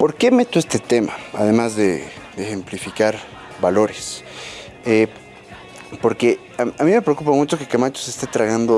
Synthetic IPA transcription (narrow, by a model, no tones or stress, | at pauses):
po̞ɾke̞me̞t̪oe̞st̪e̞t̪e̞ma̰a̰ðe̞mazðe̞d̪eːxe̞mplifikaɾ | balo̞ɾes | e | po̞ɾke̞ | aamĩme̞pɾeokupamut͡ʃo̞ke̞kamat͡ʃose̞st̪et̪ɾaɣand̪o